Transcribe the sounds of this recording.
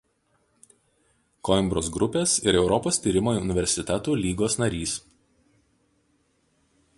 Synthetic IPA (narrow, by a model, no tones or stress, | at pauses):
kɔɪmbɾoːsɡɾʊpʲeːsɪɾɛʊɾɔpoːsʲt̪ʲiːɾʲɪmoːʊnʲɪʋʲɛɾʲsʲɪt̪ʲɛt̪uːlʲiːɡoːsnɐɾʲiːs